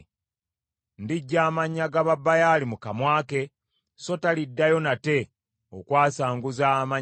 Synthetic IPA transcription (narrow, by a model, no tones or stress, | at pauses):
ndiɟːaːmaɲːaɡaβabːajalimukamwaːke̞ | so̞talidːajo̞nate̞ | o̰kwaːsaːŋɡuzama